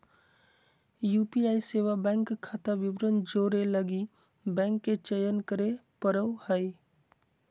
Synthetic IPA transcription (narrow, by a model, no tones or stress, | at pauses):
juːpiaːiseʋabɛ̃ŋkkʰːat̪abɪbɾənd͡ʒoːɾeləɡi | bɛ̃ːŋkːet͡ʃəjənkəɾepəɾəwhəj